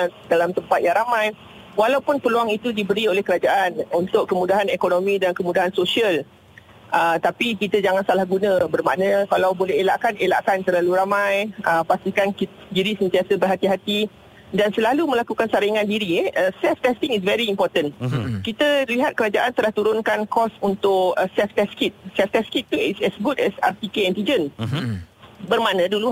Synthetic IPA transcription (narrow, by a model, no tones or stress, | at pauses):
dalamt̪əmpat̪jaŋɾamãj | walawpʊnpəluaŋit̪udibəɾiolɛhkəɾad͡ʒaʔanunt̪ʊʔkːəmudaɦanekonõmĩdankəmudaɦansosiəl | ʔət̪apikit̪əd͡ʒaŋansalahɡunə̃bərma̰ʔnə̃kalawbolɛɦela̰ʔkanela̰ʔkant̪əɾlaluɾamajəpast̪ikanki | diɾisənt̪iasəbərɦat̪iɦat̪i | dansəlalumə̃lakukansaɾiŋãndiɾiɛəsɛft̪ɛst̪iŋis̬vɛɾiːmpɔt̪ənkit̪əliɦat̪̚kəɾad͡ʒaʔant̪əlaht̪uɾʊnkankɔsunt̪ʊkəsɛft̪ɛskit̪̚sɛft̪ɛskit̪ːuisɛsɡudɛsa̰rt̪ikeɛnt̪id͡ʒən | bərmaʔnə̃dulu